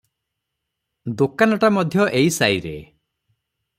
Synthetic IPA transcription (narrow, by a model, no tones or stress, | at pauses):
d̪okanɔʈamɔd̪ʱjɔʔejsajɾe